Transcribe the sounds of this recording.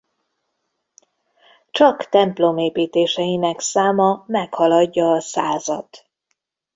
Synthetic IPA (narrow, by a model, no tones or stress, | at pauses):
t͡ʃɒkt̪ɛmplo̞meːpiːt̪eːʃɛjinɛksaːmɒmɛkhɒlɒɟːɒːsaːzɒt̪